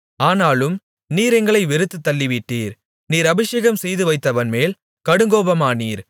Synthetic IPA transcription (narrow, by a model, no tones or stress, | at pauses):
aːnaːlɯm | niːɾɛŋɡɐɭɐɪʋɪɾɯt̪ːɯt̪ːɐlːɪʋɪʈːiːɾ | niːɾɐbɪʂeːɣɐmsɛjðɯʋɐɪt̪ːɐʋɐnmeːl | kɐɽɯŋɡoːbɐmaːniːɾ